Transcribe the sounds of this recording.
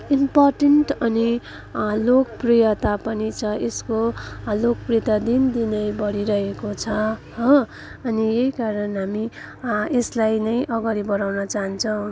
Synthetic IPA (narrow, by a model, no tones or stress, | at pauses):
imparʈenʈʌni | lokʌprijʌt̪apʌnit͡sʰʌeskolokprijʌt̪ad̪ind̪inʌjbʌɽiɾʌɦekot͡sʰʌɦʌ̃ | ʌnijejkaɾʌnɦami | eslajnʌjʔʌɡaɾibʌɾawnʌt͡saɦʌnt͡sʰʌw̃